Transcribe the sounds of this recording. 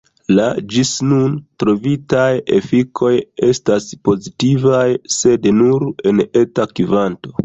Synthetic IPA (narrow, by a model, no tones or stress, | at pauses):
lad͡ʒisnuntɾo̞vitaje̞̰fikʰo̞je̞staspo̞zitivajse̞dnuɾe̞ne̞takivanto̞̥